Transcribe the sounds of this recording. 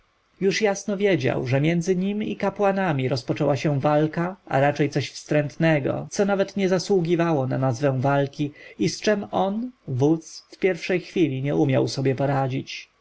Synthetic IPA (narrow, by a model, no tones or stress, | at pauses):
juʂjasnɔvʲjɛd͡ʑa̰wʐɛmʲjɛnd̪zɘɲimikapwanamʲiɾɔspɔt͡ʂɛwaɕɛ̃valkaa̰ɾat͡ʂɛjt̪sɔɕfst̪ɾɛnt̪nɛɡɔ̰t̪sɔnavɛt̪ɲɛzaswuɡʲivawɔnanazvɛ̃w̃valkʲiist͡ʂɛmɔnvut̪sfpʲjɛɾfʂɛjxfʲilʲiɲɛumʲjawsɔbʲjɛpɔɾad͡ʑit͡ɕ